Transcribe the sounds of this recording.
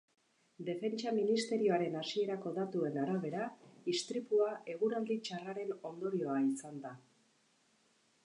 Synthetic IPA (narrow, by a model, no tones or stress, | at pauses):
d̪e̞fe̞nt͡ʃaminist̪e̞ɾio̞aɾe̞nasie̞ɾako̞ðat̪ue̞naɾaβe̞ɾaist̪ɾipuae̞ɣ̞uɾald̪it͡ʃaraɾe̞no̞nd̪o̞ɾio̞aisand̪a